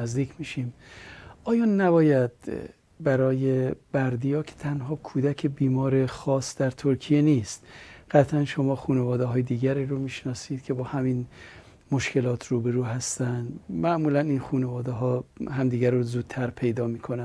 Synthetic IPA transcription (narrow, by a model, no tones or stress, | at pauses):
æzd̪iːcʰmiʃimʔɒːjɒːnːæbɒːjæd̪̥ | bæɾɒːjebæɾd̪ijɒːkʰe̥t̪ʰænɦɒːkʰuːd̪ækʰebiːmɒːɾe̞xɒːsd̪æɾt̪ʰoɾkʰijeniːst̪ɢ̥æt̪ʰlænʃo̞mɒːxuːnevɒːd̪eɦɒːjed̪iːɡæɾiːɾomiːʃnɒːsiːd̪̥kʰe̞bɒːhæmiːn | mo̞ʃke̞lɒːt̪ʰɾuːbe̞ɾuːɦæst̪ænd̪mæʔmuːlæniːnxuːnevɒːd̪eɦɒːhæmd̪iːɡæɾozuːd̪̥̚t̪ʰæɾpʰe̞jd̪ɒːmiːkʰo̞næ